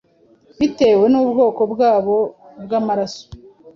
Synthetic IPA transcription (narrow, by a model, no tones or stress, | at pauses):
βite̞we̞nubɡo̞ːko̞bɡaːβo̞bɡamaɾaso̥